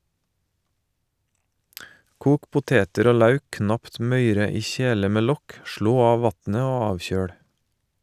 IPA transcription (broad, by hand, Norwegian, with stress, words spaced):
ˈkuːk pʊˈteːtəɾ ˈoː ˈlɑʉk ˈknɑpt ˈmœʏɾə ˈiː ˈçeːlə ˈmeː ˈlɔk ˈʃɭoː ˈɑː ˈʋɑtnə ˈoː ˈɑːʋˌçøːɽ